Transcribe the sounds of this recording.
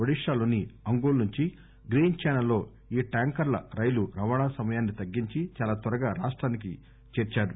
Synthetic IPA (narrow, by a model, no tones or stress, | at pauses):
ɐɽiʂaːloːniɐŋɡoːlnuɲt͡ʃi | ɡɾiːnt͡ʃɛːnɐlːo̞ː | iːʈaːŋkɐɾlɐ̰ɾɐjluɾɐʋaːɳaːsɐmɐjaːnːit̪ɐɡːiɲt͡ʃit͡ʃaːlaːt̪ʋɐɾɐɡaːɾaːʂʈɾaːnik̬ḭ | t͡ʃeːɾt͡ʃaːɾu